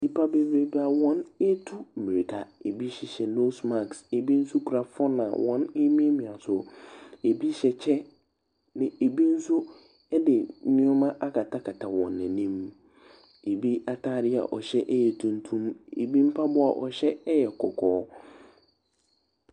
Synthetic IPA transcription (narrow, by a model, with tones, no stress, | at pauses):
di˦pʰa˦be˦be˦ba˨wɔ̃˦nɛ˦tʰu˦˨mĩ˨ɾi˨tʰa˨e˨bi˦ɕɛ˨ɕɛ˨no˦sma˦˨kse˨bi˦n̩˦su˦kʰu˨ɾa˨fɔ˦nã̰˨wɔ̃˦ne˦mĩ˦e˦mĩ˨a˨sʊ˨e˨bi˦ɕɛ˨t͡ɕʰɛ˦ | nɪ̃˨ʔe˨bi˦n̩˦sʊ˦ | ɛ˦dɪ˨˦nɪ̃˦ʊ̃˦mã˦ʔa˦ka˨tʰa˦kʰa˨tʰa˨wɔ̰̃˨nːɛ̃˨nĩ˦m | e˨bi˦a˨tʰaː˦˨ɾɪ˦a̰˨ʔɔ˨ɕɛ˦ʔɛ˦jɛ˨tʰũ˨n̩˦tʰũ˦mḛ˨bi˦m̩˦pʰa˦bʊ˦a̰˨ʔɔ̰˨ɕɛ˦jɛ˨kʰɔ˨kʰɔː˦